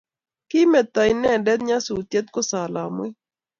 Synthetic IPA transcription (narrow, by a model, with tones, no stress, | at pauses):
kɪ˦mɛ˨t̪a˨i˨nɛ˦˨dɛ˦t̪̚ɲa˦su˨t̪je˦t̪̚ko˦sa˨la˨mwɛ˦